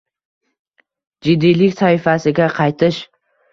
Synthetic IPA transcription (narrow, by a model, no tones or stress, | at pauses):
d͡ʒɪd̪ːijlɪkʲsaɪfasɪɡʲaqʰɑjt̪ʰɪʃ